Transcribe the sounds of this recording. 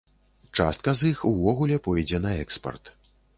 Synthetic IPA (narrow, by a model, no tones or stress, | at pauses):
t͡ʂa̰st̪̚kɐzixuvɔɣulʲɛpɔjd͡zʲɛnɐɛkspɐ̰rt̪